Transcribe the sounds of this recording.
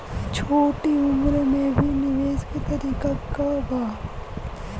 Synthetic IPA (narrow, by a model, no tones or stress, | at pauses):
t͡ʃʰoːʈiʊmɾmẽbʱinɪʋeːd͡ʒkit̪ɐɾiːkakabaː